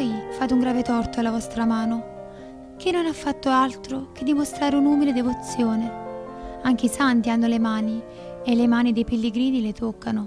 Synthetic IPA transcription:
jfaːt̪̬uŋɡɾaːvet̪ɔrt̪oalːavɔst̪ɾamaːno | k̟ʰinːonafːat̪ːoalt̪ɾok̟ed̪ːimost̪ɾaːɾeunuːmiled̪evot̪sːjoːne | aŋk̟eisant̪ianːolemaːni | elːemaːnid̪ejpelːeɡɾiːnilet̪okːano

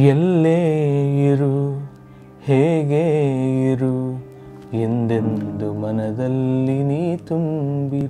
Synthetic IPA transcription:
ɛlːeiɾu | heːɡeiɾu | end̪end̪umɐnɐd̪ɐlːiniːt̪umbi

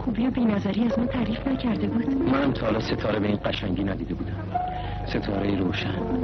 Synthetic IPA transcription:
kʰubijobiːnæzæɾiːæzmɒːt̪ʰæɾiːfnæcʰæɾd̪e̞buːd̪̥mænhæmt̪ʰɒlɒːse̞t̪ʰɒːɾe̞be̞iːnɢæʃæŋɟiːnæd̪iːd̪e̞buːd̪æm | se̞t̪ʰɒːɾejeɾoːʃæn

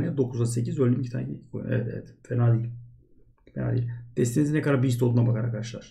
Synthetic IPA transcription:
nɯjad̪o̞kʰuzasecizølʲd̪ʲimcit̪ʰanckʰojṵnɛ̰vɛt̪ɛ̰vɛt̪fenalʲi | fena̰lʲid̪̥ɛst̪inizinɛkad̪aɾbiisolˠd̪unabakaɾaɾkʰad̪aʃlˠa̰ɾ̥

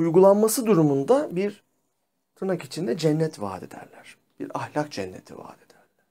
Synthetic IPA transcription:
ujɡulˠanmasɯd̪uɾumund̪abiɾ | t̪ʰɯnakit͡ʃʰind̪ɛd͡ʒɛnːɛt̪va̰ːd̪ed̪æ̰ɾlʲæɾ̥ | b̥ḭɾahlʲak̚d͡ʒɛnːe̞̰t̪ʰḭva̰ːd̪̥ed̪̥æɾlʲæɾ̥

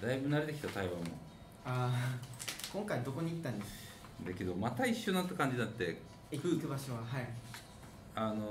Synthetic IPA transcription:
d̪aibɯ̟naɾe̞t̪e̞kʲi̥t̪at̪aiβamo̰ | a | kõŋkaid̪o̞ko̞ɲ̟iːt̪ːãnd̪esa | d̪ake̞d̪omat̪aiɕːonat̪ːakãɲ̟d͡ʑid̪at̪ːe̞ | ikɯ̟ikɯbaɕo̞βaɦai | ano

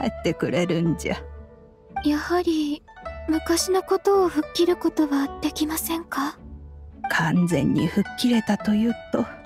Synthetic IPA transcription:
aet̪ːe̞kɯ̟ɾe̞ɾɯ̟̃ɲd͡ʑa̰ | jahaɾʲi | mɯ̟kaɕino̞ko̞t̪o̞ːɸɯ̟kʲːiɾɯ̟ko̞t̪o̞βad̪̥e̞kʲimasẽ̞ŋka | kʰãnd͡zẽ̞̰ɲ̟ːḭɸɯ̟kʲːiɾe̞t̪at̪o̞jɯ̟t̪ːo̞

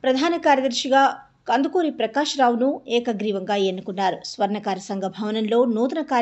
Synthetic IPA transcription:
pɾɐd̪ʱaːnɐkaːɾjɐd̪ɐɾʃiɡaː | kɐnd̪ukoːɾipɾɐkaːʃɐɾaːʋunuɛːkɐɡɾiːʋɐŋɡaːenːukunːaːɾusʋɐɾnɐkaːɾɐsɐŋɡʱɐbʱɐʋɐnɐnlo̞ːnuːt̪̬ɐnɐkaː

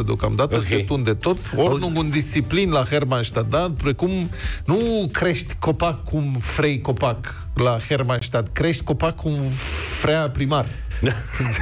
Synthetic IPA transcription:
əd̪eo̞kamd̪at̪əset̪und̪et̪o̞t̪sʲonuŋɡund̪ist̪siplinlaxermanʃt̪ad̪̚d̪apɾekumnukɾe̞ʃt̪ʲko̞pakʰːumfɾejko̞pak | laxermanʃt̪ad̪kɾeʃt̪ʲko̞pakʰːumfɾeapɾimar

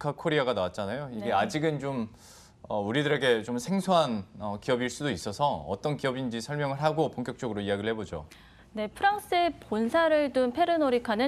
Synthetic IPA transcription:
kʰakʰoɾiaɡanawat̚t͡ɕ͈anajoiɡe̞ad͡ʑiɡɯnt͡ɕom | ʌuɾidɯɾe̞ɡe̞t͡ɕomsʰeŋsʰoɦanʌkiʌbiɭs͈udois͈ʌsʰʌʌ̰t͈ʌnkiʌbind͡ʑisʰʌɭmjʌŋɯɭɦaɡopoŋk͈jʌk̚t͡ɕ͈ʌɡɯɾoiaɡiɾɭhe̞bod͡ʑo̰ | ne̞pʰɯɾaŋs͈ɯeponsʰaɾɯɭdɯnpʰe̞ɾɯnoɾikʰanɯ

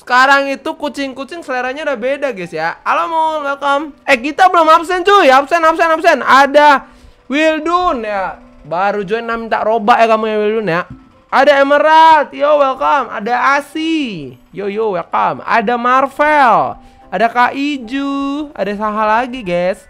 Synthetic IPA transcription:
sə̥kaɾaŋit̪ukut͡ʃɪŋkut͡ʃɪŋsəleɾaɲadabedaɡɛsjakalomonwɛlkɔmɛhkit̪abəlomapsɛntujapsɛnapsɛnapsɛnada | wildunja | baɾud͡ʒoɛnːamint̪aʔɾobaʔjakamujawildunja | adaeməɾat̪̚jowɛlkɔma̰daːsijojowɛkama̰damarfɛl | adakaʔid͡ʒua̰dasaɦalaɡiɡas

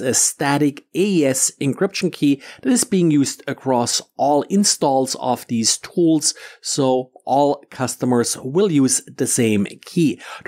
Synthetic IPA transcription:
ɨstæɾɨkeɛsɨ̃nkʰɹ̥ɪpʃn̩kʰiðɨɾɨzbiɪ̃ŋjuzdɨkʰɹ̥ɔsʔɔlˠɪ̃nstɔlˠzʌ̰vðiz̥tʰulˠz̥soʊʔɔlˠkʰʌstəmə˞zwɪlˠjuzðɨsẽɪ̃mkʰi

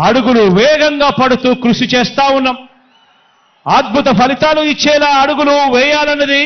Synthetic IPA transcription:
ɐɽuɡuluʋɛːɡɐŋɡaːpɐɽut̪uːkɾuʂit͡ʃɛːst̪aːwunːɐm | ɐːd̪̚bʱut̪ɐpʰɐlit̪aːluit͡ʃːɛːlaːɐɽuɡuluʋɛːjaːlɐnːɐd̪i

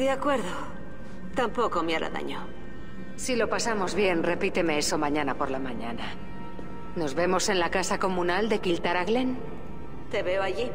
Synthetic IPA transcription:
deakwe̞ɾðo | t̪ampo̞ko̞meaɾa̰ða̰ɲo | silo̞pasamo̞zβje̞nre̞pit̪e̞me̞eso̞mãɲanapo̞ɾlamaɲana | no̞zβe̞mo̞se̞nlakasako̞mũnald̪e̞kilt̪aɾaɣlen | t̪e̞βeoaʝi

